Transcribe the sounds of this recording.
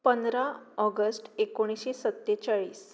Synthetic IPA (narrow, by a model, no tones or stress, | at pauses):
pənd̪ɾaɔɡəsʈekoɽ̃isɕesət̪ːet͡ɕaɭiːs